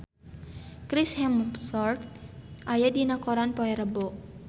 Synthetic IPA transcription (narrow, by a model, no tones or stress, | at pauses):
kɾishɛmpsɔrt̪̚ʔajadinakoɾanpɔɛɾəbo